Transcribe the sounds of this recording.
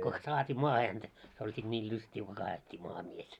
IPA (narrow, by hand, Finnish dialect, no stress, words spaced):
kons sɑːtʲiː mɑːhe hæntæ se olʲ sit nʲiːl lystʲiː ko kɑːetʲːi mɑːhɑ mies